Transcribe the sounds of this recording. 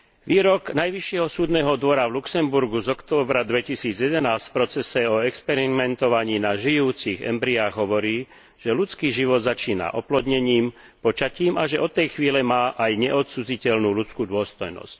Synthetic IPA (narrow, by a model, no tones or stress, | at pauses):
ʋiːɾɔɡnajʋiʃːɪɛɦɔsuːd̪nɛːɦɔd̪ʋɔɾaʋluksɛmbuɾɡuzɔkt̪ɔːbɾad̪ʋɛcisiːd͡zjɛd̪ɛnaːsfpɾɔt͡sɛsɛɔɛkspɛɾimɛnt̪ɔʋaɲiːnaʒijuːt͡siɣɛ̰mbɾiaːɣɦɔʋɔɾiː | ʒ̥ɛlut͡skiːʒiʋɔd̪zat͡ʃiːna̰ʔɔplɔd̪ɲɛɲiːm | pɔt͡ʃaciːmaʒɛʔɔt̪ːɛjxʋiːlɛmaːʔajɲɛʔɔt̪t͡sud͡zicɛlnuːlut͡skuːd̪ʊɔst̪ɔjnɔ̰sc̚